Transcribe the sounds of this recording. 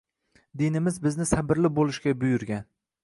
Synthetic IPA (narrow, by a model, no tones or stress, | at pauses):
d̪ɪnɪmɪzbɪznɪsabɪɾlɪbolˠɪʃɡʲabʊjʊɾɡʲan